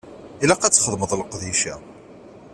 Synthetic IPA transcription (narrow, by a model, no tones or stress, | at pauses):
ilæqːæt͡sːχəðˤməðˤlqðiʃæ